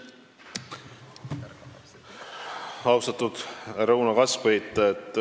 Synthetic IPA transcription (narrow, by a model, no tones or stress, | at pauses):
ɑwst̪ɑt̪ud̪̥ɾɤwnɑkɑsvejt̪ːet̪ːˑ